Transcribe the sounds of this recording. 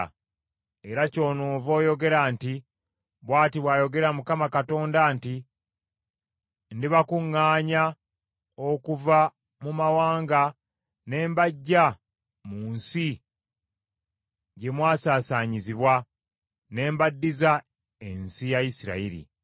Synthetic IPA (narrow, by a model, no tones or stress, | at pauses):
e̞ɾaco̞ːnoːvo̞ːjo̞ɡe̞ɾaːnti | βwaːtiβwaːjo̞ɡe̞ɾamukamakato̞ːndanti | ndiβakuŋːaːɲa | okuva | mumawaːŋɡa | ne̞ːmbaɟːa | muːnsi | ɟe̞mwaːsaːsaːɲiziβwa | ne̞ːmbadːiza | e̞nsijajisiɾa̰iɾḭ